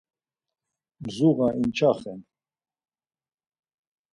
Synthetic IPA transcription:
mzuɣaʔint͡ʃʰaχɛn

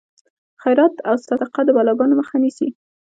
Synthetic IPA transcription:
xajɾɑt̪awsɑd̪ɪqad̪əbɑlɑɡɑnoməxanisi

